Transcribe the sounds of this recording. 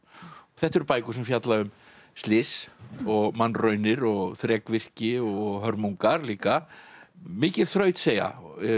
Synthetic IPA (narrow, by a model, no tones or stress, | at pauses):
ɔθɛht̪ɛɾpaːjkʏsɛmfjat̪laʏm | st̪lɪsɔɣmanːrœɥnɪɾɔɣθɾɛːkvɪr̥cɪɔɣɦœɾmuŋkaɾliːka | mɪːcɪɾ̥θɾœːɥt̪seːja̰